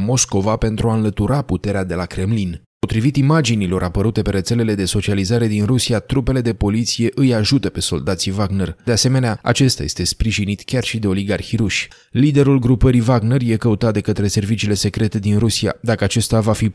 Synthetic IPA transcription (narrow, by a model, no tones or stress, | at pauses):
mo̞sko̞vape̞nt̪ɾuaɨnlət̪uɾaput̪e̞ɾead̪e̞lakɾe̞mlin | po̞t̪ɾivit̪imad͡ʒinilo̞ɾʔapəɾut̪e̞pe̞ɾe̞t̪se̞le̞le̞d̪e̞so̞t͡ʃializaɾe̞d̪inrusiat̪ɾupe̞le̞d̪e̞po̞lit̪sije̞ʔɨjaʒut̪əpe̞so̞̰ld̪at̪sivaɡne̞rd̪e̞ase̞me̞neaa̰t͡ʃe̞st̪a̰je̞st̪e̞spɾiʒinit̪kʲarʃid̪e̞o̞liɡarxiɾuʃʲ | lid̪e̞ɾulɡɾupəɾivaɡnerje̞kəut̪at̪̚d̪e̞kət̪ɾe̞se̞rvit͡ʃiːle̞se̞kɾe̞t̪e̞d̪inɾusia̰d̪akəat͡ʃe̞st̪avafi